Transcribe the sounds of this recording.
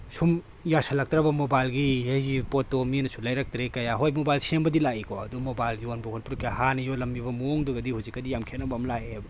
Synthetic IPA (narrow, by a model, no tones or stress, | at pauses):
sum | jasɐlɐk̚tɾɐbɐmobajlɡiejzipotominɐsʰulɐjɾak̚tɾekɐjaɦojmobajlsembɐdilaikʰɔɐdumobajljonbɔkʰonpuɾkʰiahanɐjolɐmibɐmoŋduɡɐdihuzikːɐdijamkʰianɐbamlaebɐ